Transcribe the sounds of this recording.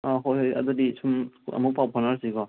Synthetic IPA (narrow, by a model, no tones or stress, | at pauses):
aɦojɦojɐ̰d̪ɔdisʰumɐ̰muk̚pawpʰɔnaɾsiɡɔ